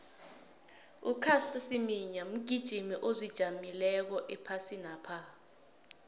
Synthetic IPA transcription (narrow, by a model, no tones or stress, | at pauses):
ukʰastʼasimiɲam̩ɡ̥ʱid̥ʒ̥ʱimiʔozid̥ʒ̥ʱamilɛk̬ɔʔɛpʰasinaːpʰa